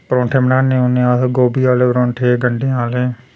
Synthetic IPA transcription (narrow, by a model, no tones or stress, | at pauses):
pəɾõːɳʈʰeːmənaːnːẽːɦõːnẽaːsɡoːbiːaːleːpɾõːɳʈʰeːɡəɳɖeaːleː